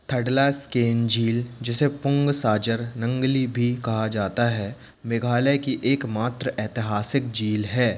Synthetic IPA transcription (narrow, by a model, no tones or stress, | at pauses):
t̪ʰɐɖlaskeːnd͡ʒiːld͡ʒɛsepʊ̃ŋɡsaːd͡ʒəɾnɐ̃ŋɡlibʱikɐɦad͡ʒaːt̪aɦɛ | mɪɡʱaːləkiʔeːkmaːt̪ɾəʔɛːt̪ɪɦaːsɪkd͡ʒiːlɦɛː